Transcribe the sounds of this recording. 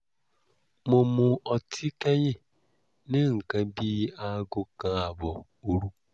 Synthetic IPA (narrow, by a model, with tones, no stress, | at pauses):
mo˨mʊ˨ɔ˨tʰi˦ke˦ɲɪ˦˨ | nɪ˦ŋ̩˨ka˨bi˦a˦ɡʊ˦ka˨a˨bɔ˨ | u˨ɾu˦